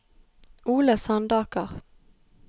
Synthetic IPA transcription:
ʔuːləsɑnd̪ɑːkəʁ

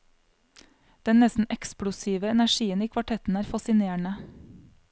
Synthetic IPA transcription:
d̪̥ɛnnɛsn̩ʔɛkspɽʊsiːʋəɛnæʃiːəniːkʰʋɑʈʰɛt̪n̩æːɾfɑsɪneːəɳə

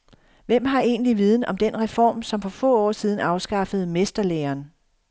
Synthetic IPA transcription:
ʋem̰ɦɑ̈e̝̰ːnliʋiːð̞ˠn̩ɒ̽md̥enʁɛfɒ̰ːmsɒ̽mfɒ̽fɔ̰̽ːɒ̰ːsiːð̞ˠn̩ɑ̈ʊsɡ̥ɑ̈fəð̞̩ˠmesd̥ɐleːɐːn

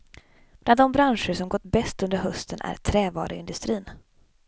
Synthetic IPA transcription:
b̥land̪ɔmbɾanʂəʂɔmɡɔt̪ːbɛst̪ɵnd̪əɾɦœst̪ənʔæ̰ɾt̪ʰɾɛːvɑ̰ːɾəɪ̰nd̪ɵst̪ɾiːn

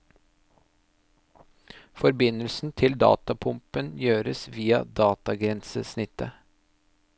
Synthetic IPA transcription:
fɔɾbɪnəlsn̩t̪ʰɪld̪ɑ̰ːt̪ɑpʰʊmpənjøːɾəsʋiːɑd̪ɑːt̪ɑɡɾɛnsəsnɪt̪ə

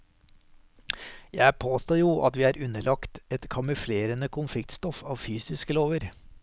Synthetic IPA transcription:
jæɪpʰoːst̪oːjuːʔɑt̪ʋiːæːɾʉnəlʔɑkt̪ɛt̪kʰɑmʉfleːɾənəkʰʊnflɪk̚t̪st̪ɔfɑːʋfyːsɪskəloːʋəɾ

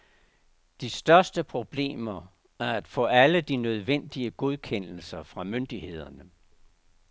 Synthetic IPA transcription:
d̥isd̥ɶɐsd̥əpʰʁo̝b̥le̝̰ːmɐ | æɐæd̥fɔ̰̽ːæləd̥inøð̞ˠʋen̰d̥iəɡ̥o̝ð̞ˠkʰen̰l̩sɐfʁɑ̈mønd̥ihe̝ð̞̰ˠɐnə

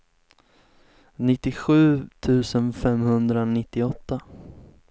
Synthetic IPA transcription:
nɪt̪ːɪɧʉ̟ːt̪ʰʉ̟ːsənfɛmhɵnd̪ɾanɪt̪ːɪɔt̪ːa

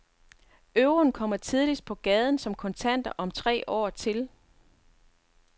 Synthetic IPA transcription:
øʊʁonkʰɒ̽m̰ɐt͡sʰið̞ˠlis̚pʰɒ̽ɡ̥ɛːð̞ˠn̩sɒ̽mkʰɒ̽nt͡sʰæn̰d̥ɐʔɒ̽mt͡sʰʁɛ̰ːʔɒ̰ːt͡sʰe̝l

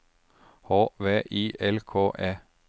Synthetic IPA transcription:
hoːʋeːʔiːʔɛlkʰoːʔeː

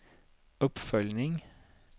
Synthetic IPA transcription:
ʊpfœlnɪŋ

